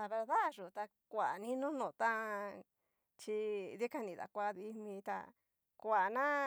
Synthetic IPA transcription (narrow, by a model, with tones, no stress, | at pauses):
a˧βe˧ɾða˦ʐu˨t̪a˧ | kʷa˨nĩ˦nũ˦nõ˨t̪a˦ | t͡ʃi˧ði˦ka˦˧nĩ˧˨ða̰˨kʷa˧ði˧mĩ˧t̪a̰˧ | kʷa˨nã˦